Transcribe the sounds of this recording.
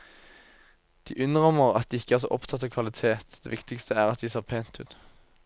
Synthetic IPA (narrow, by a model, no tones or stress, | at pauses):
d̪̥ḭːʔʉnʁɔməʁɑ̰t̪̚d̪iːɪkːəæːʁs̬o̰ːʔɔpt̪ʰɑt̪ːɑːkʰʋɑlɪt̪ʰeːt̪d̪ḛːʋɪkt̪ɪkst̪ʰəæːʁɑt̪̚d̪iːseːʁpʰeːnt̪ʉ̰ːd̪